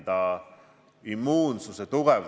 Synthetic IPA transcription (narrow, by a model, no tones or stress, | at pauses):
d̪ɑ | imːuːnsuset̪uɡ̥ɛv